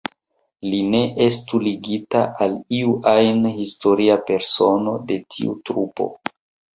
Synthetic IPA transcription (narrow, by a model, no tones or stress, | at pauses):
line̞ʔe̞stuliɡitaʔaliuʔajnhisto̞ɾiape̞ɾso̞no̞de̞tʰḭṵtɾupo̞̰